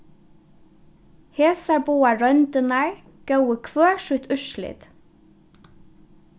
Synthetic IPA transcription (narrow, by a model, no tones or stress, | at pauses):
heːsɑɹbuːɑɹœnd̪ənæɹ | ɡ̥ɑʉəkʰʋøːʃʉt̪ʰʉʃlɪ̰d̪̥